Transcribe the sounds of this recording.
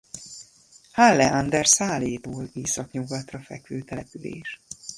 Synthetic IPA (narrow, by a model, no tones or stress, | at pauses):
halːɛʔɒnd̪ɛrsaːleːt̪oːliːsɒkɲuɡɒt̪rɒfɛkʋøːt̪ɛlɛpylḛːʃ